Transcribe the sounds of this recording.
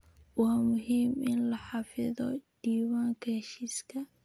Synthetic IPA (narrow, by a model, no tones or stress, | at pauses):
wamʊhiːmɪnlaħafɪðɔ̰d̥iːwaŋkaʃiska